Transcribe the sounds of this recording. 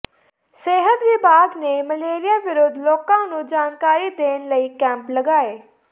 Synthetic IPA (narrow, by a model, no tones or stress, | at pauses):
seːɦət̪ʋɪbʱaːɡneːməleːɾɪjaːʋɪɾoːd̪loːkãːnũːd͡ʒaːnkaːɾiːd̪eːnləiːkɛ̃ːmpləɡaːeː